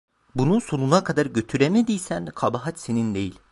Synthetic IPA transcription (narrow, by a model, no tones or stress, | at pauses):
bunuso̞nunakʰad̪aɾɟø̞t̪ʰyɾemed̪ijsænkʰabaɦat͡ʃ̪senind̪e̞jilʲ